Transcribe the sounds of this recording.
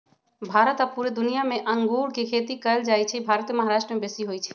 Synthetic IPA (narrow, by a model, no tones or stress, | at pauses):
bʱaɾət̪apuɾed̪unijameʔəŋɡuɽkekʰet̪ikəld͡ʒajt͡ʃʰɛbʱaɾət̪jməɦaɾaʃʈɾəmebesiɦojt͡ʃʰɛ̥